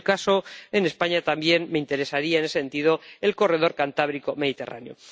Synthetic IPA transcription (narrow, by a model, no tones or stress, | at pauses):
kasoene̞spaɲat̪ambje̞nme̞int̪e̞ɾe̞saɾiaene̞seent̪ið̞o̞e̞lko̞re̞ð̞o̞ɾkant̪aβ̞ɾiko̞me̞ðit̪e̞ra̰njo̞̰